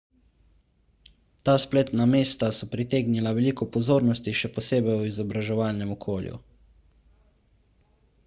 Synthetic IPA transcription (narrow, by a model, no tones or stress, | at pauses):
t̪aːspleːt̪nameːst̪asɔpɾit̪eːɡnilaʋɛliːkɔpɔzoːɾnɔst̪iʃɛpɔseːbɛjuizɔbɾaʒɛʋaːlnɛmɔkʰoːljṵ